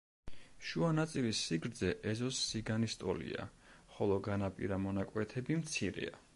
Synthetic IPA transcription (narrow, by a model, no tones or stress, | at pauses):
ʃuanat̪sʼilisːiɡɾd̪zɛʔɛzɔsːiɡanist̪ʼɔlḭa̰χɔlˠɔɡanapʼḭɾamɔnakʼwɛt̪ʰɛbimt̪sʰiɾɛ̰a